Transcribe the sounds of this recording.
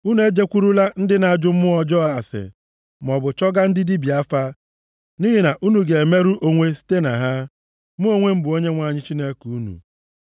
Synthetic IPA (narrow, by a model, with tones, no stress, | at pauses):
u˦nu˨e˦d͡ʒe˦kʷu˦ɾu˦la˦n̩˦dɪ˦na˨a˨d͡ʒʊ˦m̩˦ʊ˦ɔ˨d͡ʒɔ˦a˨a˨sɪ̰˨ | m˨ɔ˨bʊ˨t͡ʃɔ˦ɡa˦n̩˦dɪ˦di˦bi˨a˦fa˦ | ni˦ɦi˦na˨ʔu˦nu˨ɡe˨e˨me˦ɾu˦ʔo˦ŋʷe˦si̥˦te˦na˨ɦa˦ | mʊ˦o˦ŋʷe˦m̩˦bʊ˨o˦ɲe˦ŋʷa˨ɲɪ˦t͡ʃi˦ne˦ku˨u˦nṵ˨